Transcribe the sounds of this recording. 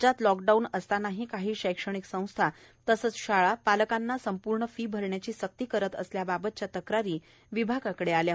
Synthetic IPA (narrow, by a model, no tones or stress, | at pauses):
d͡ʑat̪lɔk̚ɖaunəst̪anaɦikaɦiːɕəjkʂəɳ̃iksə̃w̃st̪ʰa | t̪əsət͡sɕaɭapaləkanːasəmpuɾɳəfiːbʱəɾɳjat͡ɕiːsək̚t̪iːkəɾət̪əsljababət̪̚t͡ɕjat̪əkɾaɾiː | ʋibʱaɡakəɽealja